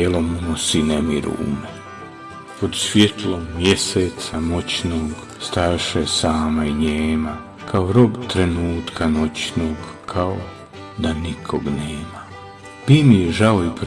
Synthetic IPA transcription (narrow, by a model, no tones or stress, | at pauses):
elomumosinemiɾṵṵme | pod̪sʋjet̪lommjeseːt̪samot͡ɕnoːɡ | st̪ajaʃesaːmaiɲeːma | kʰaoɾo̞bt̪ɾe̞nuːt̪kʰano̞t͡ɕnoːɡkʰao | d̪anikʰoɡneːma | pimijeʒaoip